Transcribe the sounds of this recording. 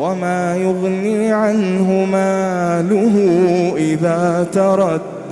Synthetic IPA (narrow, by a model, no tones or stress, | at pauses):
wamaːjʊɣniːʕanɦʊmaːlʊɦʊʔɪðaːt̪ɑɾˤɑd̪